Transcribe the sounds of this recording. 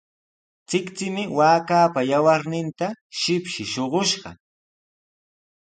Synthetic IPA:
t͡sɪkt͡sɪmɪwaːkaːpajawaɾnɪnt̪aʃɪpʃɪʃoɢoʃɢɑ̰

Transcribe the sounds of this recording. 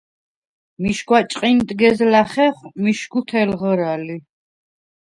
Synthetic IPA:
miʃɡwat͡ʃʼqʼint̪ʼɡɛzlaχɛχmiʃɡut̪ʰɛlʁəɾali

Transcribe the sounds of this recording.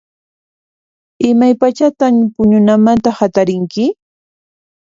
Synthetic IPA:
ɪmajpat͡ʃat̪ampʊɲʊnamant̪ahat̪aɾɪŋkɪ

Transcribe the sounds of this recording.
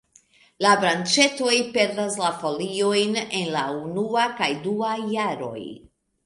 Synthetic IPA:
labɾant͡ʃe̞to̞jpe̞ɾdaslafo̞lio̞jne̞nlaunuakajduajaɾo̞̰j

